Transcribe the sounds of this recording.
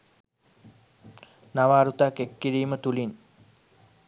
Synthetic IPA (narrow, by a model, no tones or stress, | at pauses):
naʋaːɾut̪akekːiɾiːmət̪ulin